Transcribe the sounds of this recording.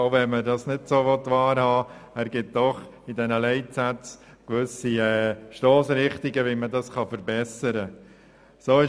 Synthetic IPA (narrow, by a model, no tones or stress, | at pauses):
oʊvɛmədɑsnɪdsoːʋɔtːʋɑːɾhɑːæɾɡ̥ɪt̚d̥ɔχ | idɛnəlɛɪtsæt͡s | kʋʏsiɛːʃtoːsɾɪχtiɡəʋimədɑsχɑfəɾbɛsəɾə | soːɪ